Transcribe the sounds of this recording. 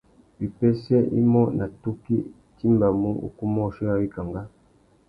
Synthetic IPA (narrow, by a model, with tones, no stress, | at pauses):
bi˨pɛ˦sɛ˦ʔḭ˦mɔ˦nʔa˨tu˦ki˦ | ti˦mba˨mu˦ṵ˨ku˦mɔ˦˨ʃi˦ja˦wi˦ka˨ŋɡa˦